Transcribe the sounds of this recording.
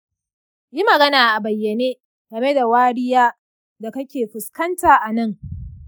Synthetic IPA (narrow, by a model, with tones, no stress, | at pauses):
ji˦mɐ˨ɡɐ˦naː˨ʔa˨bɐ˨jːɐ˨neː˦ | ɡ̥ɐ˨me˦da˨waː˦ɽɪ˦jaː˦ | da˨kɐ˦kʲeː˨ɸʊ˨skɐ˦ntaː˨ʔa˨nɐ˦˨ŋ